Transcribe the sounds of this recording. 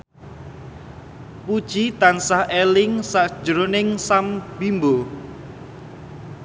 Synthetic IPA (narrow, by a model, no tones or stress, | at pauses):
pud̥ʒ̥it̪ansahʔelɪŋsaʔd̥ʒ̥ɾonɪŋsamb̥imbo